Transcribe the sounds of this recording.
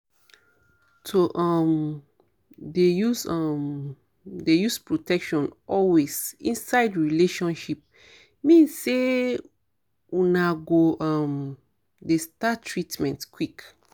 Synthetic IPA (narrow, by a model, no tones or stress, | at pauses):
soʔam | dejusʌm | dejuspɹotɛkʃɔ̃nɔlwez̥ĩnsaɪdɹileʃɔ̃nʃip̚ | mĩnsse | unaɡoam | destatɹitmɛ̃ntkwik